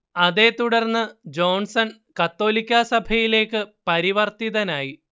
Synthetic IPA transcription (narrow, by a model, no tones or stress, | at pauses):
ɐðe̞t̪uɽɐrnːɨd͡ʑo̞ːɳsɐn | kɐt̪ːo̞ːlikʲːɐsɐbʱɐjile̞ːkːɨpɐɾiʋɐrt̪iðɐnaːji